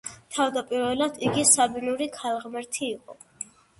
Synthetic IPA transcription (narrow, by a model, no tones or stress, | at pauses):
t̪ʰavd̪apʼiɾvɛlad̪̥iɡisabinuɾikʰalˠʁmɛɾt̪ʰiːqʼɔ